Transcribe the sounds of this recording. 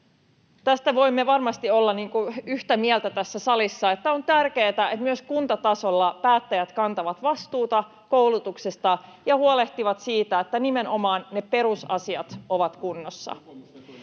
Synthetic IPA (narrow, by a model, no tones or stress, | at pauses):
t̪æst̪æʋo̞imːe̞ʋɑrmɑst̪io̞lːɑniːŋkuyht̪æmiɛlt̪æt̪æsːæsɑlisːɑe̞t̪ːæont̪ærke̞ːt̪æet̪myøskunt̪ɑt̪ɑso̞lːɑpæːt̪ːæjæt̪kɑnt̪ɑʋɑt̪ʋɑst̪uːt̪ɑ | kowlut̪uksest̪ɑjɑhuole̞ht̪iʋɑt̪siːt̪æet̪ːænime̞nʔo̞mɑːnːepe̞ɾusɑ̰siɑt̪o̞ʋɑt̪kunːosːɑ̰